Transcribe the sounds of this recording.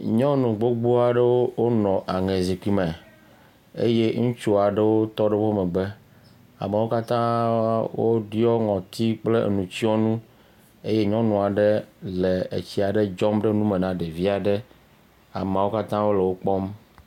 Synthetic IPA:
ɲɔ̃˦nũ˨ɡ͡bo˦ɡ͡bu˦a˨ɖe˦wo˦wo˦nɔ̃˨ʔa˨ŋẽ˨zi˨k͡pi˨mɛ̃˨ | ḛ˦je˦ŋũ˦t͡ʃo˦a˨ɖe˦wo˦t̪ɔ˦ɖe˦ɸo˦mɛ̃˨ɡ͡be˦ | a̰˨me˨wo˦ka˦t̪ã˦wo˦ɖi˦ɔ˦ŋɔ̃˨t̪i˦k͡ple˦ʔnũ˨t͡ɕi˦ɔ˦nũ˦ | e˦je˦ɲɔ̃˦nũ˨a˨ɖe˦le˨ḛ˨t͡ɕi˨a˨ɖe˦d͡ʒɔ˦mɖe˦nũ˦me˨nã˨ɖe˨vi˦a˨ɖe˦ | a̰˨me˨wo˦ka˦t̪ã˦wo˦le˨wo˦k͡pɔ˦m

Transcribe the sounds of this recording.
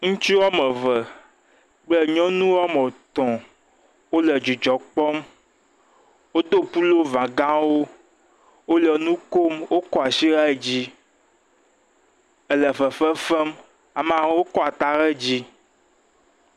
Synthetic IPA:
ŋũ˦t͡ʃi˦wɔ˦mə̃˨və˨ | k͡plə˦ɲɔ̃˦nũ˦wɔ˦mɔ̃˨t̪ɔ̃˨ | wo˦lə˨d͡ʒu˨d͡ʒɔ˨k͡pɔ˦m | wo˦d̪o˦pu˦lo˦vã˨ɡã˦wo˦ | wo˦lə˨nũ˦ko˦mwo˦kɔ˦a˨si˦ɾa˦e˨d͡ʑi˦ | ə˨lə˨fə˨fɛ˦fɛ˦m | a˨mã˨˦wo˦kɔ˦a˨t̪a˨ɾɛ˦d͡ʑi˦

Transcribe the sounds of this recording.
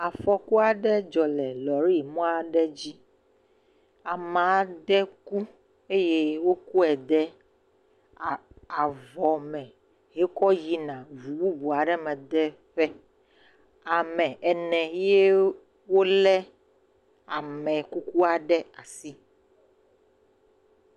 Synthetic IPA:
a˨fɔ˨ku˦a˨ɖɛ˦d͡ʒɔ˨lɛ˨lɔ˨ɾi˦˨mɔ̃˦a˨ɖɛ˦d͡ʑi˦ | a˨mã˨a˨d̪ɛ˦ku˦ | e˦je˦wo˦ku˦ɛ˨d̪ɛ˦˨ | a˨vɔ˨mɛ̃˨ | ɦe˦kɔ˦ji˦nã˨vu˨bu˦bu˨a˨ɖɛ˦mɛ̃˨d̪ɛ˦ | ɸɛ˦ | a˨mɛ̃˨ɛ˨nɛ̃˨je˦ | wo˦lɛ˦ | a˨mɛ̃˨ku˦ku˦a˨ɖɛ˦a˨si˦

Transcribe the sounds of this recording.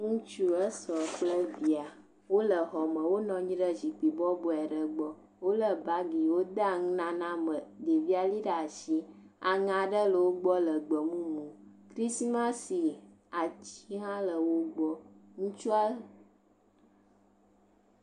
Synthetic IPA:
ŋũ˦t͡ʃu˦ə˦sɔ˨k͡plə˦vi˨a˨ | wo˦lə˨ɦɔ˨mə̃˨wo˦nɔ̃˨ɲĩ˦ɖə˦zi˨k͡pi˨bɔ˦bɔ˨ɛ˨ɖə˨ɡ͡bɔ˦ | wo˦lə˦˨ba˦ɡi˨wo˦d̪a˦˨ŋ˦nã˦nã˦mə˨d̪e˨vi˦a˨li˦ɖa˨ʃi˦ | a˨ŋã˨ɖə˦lə˨wo˦ɡ͡bɔ˦lə˨ɡ͡bə˨mũ˦mũ˨kɾi˦smã˦si˨ | a˨t͡ɕi˦ɦã˦lə˨wo˦ɡ͡bɔ˦ŋũ˦t͡ʃu˦a˦˨

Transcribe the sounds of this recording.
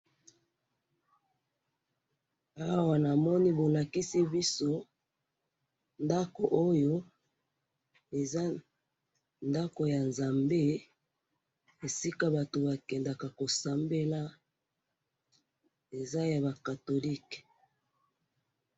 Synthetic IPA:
a˦wa˨na˨mɔ˦ni˦bo˨la˨ki˦si˦bi˦so˦ | nda˦ko˨ʔo˦jo˦ | e˨za˦ | nda˦ko˨ja˨nza˨mbe˦ | e˨si˦ka˦ba˨to˨ba˨kɛ˨nda˨ka˨ko˨sa˨mbe˦la˦ | e˨za˦ja˨ba˨ka˨to˨li˦k

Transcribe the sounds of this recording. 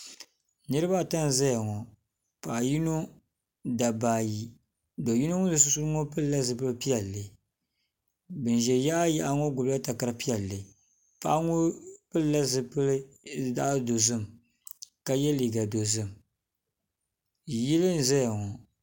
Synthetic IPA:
nɨ˦ɾɨ˦ba˦˨ta˦n˨za˦ja˨ŋɔ˨ | pa˨ji˦no˦ | da˨baː˨ji˨ | do˨ji˦no˦ŋo˦dɨ˨s̬ʊ˦su˦ɾŋo˦pɨ˦lla˦zɨ˨pɨ˦lpi˦ɛ˨lːɨ˨ | bɨ˨n˨ʒɛ˨ja˦a˦ja˦ʔa˦ŋɔ˦ɡʊ˨bla˦ta˨ka˦ɾpi˦ɛ˨lːɨ˨ | pa˦ʔŋo˦pɨ˦lla˦zɨ˨pɨ˦lɨ˦ | da˦do˨zɨ˦˨m | ka˦jɛ˦li˨ɡa˨do˨zɨ˦m | ji˦lɨ˦n˨za˦ja˨ŋɔ˨

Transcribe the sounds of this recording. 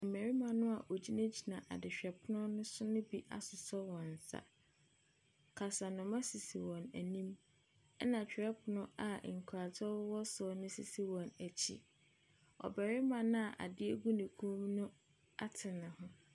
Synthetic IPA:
m̩˨mæ˨ɾi˦mã˨nʊ̃˦a˨ʔo˨d͡ʑi˦na˦d͡ʑi˨nã˨ʔa̰˨dɪ˨ɕᶣɛ˨pʰʊ˦nʊ̃˦nʊ̃˦sʊ˦nʊ̃˦bi˦ʔa̰˨sʊ˨sɔ˦wɔ̃˨n̩˨sa̰˨ | kʰa˨sa˨nʊ̃˨mã˦si˨si˨wɔ̃˨næ̰˨nĩ˦m | ɛ˦nã˨t͡ɕᶣɛ˦pʰʊ˨nʊ̃˦a˨ŋ̩˨kʰa˨t͡sɔ˦wɔ˦sɔ˦˨nʊ̃˦si˨si˨wɔ̃˨næ˨t͡ɕʰḭ˨ | ɔ̰˨bɛ˨ɾɪ˦mã˨nʊ̃˦a˨ʔa̰˨dɪ˦æ˦ɡu˦nĩ˨kʰũ˦mnʊ̃˦ | a˦tʰɪ˨nã˨hʊ̃˦

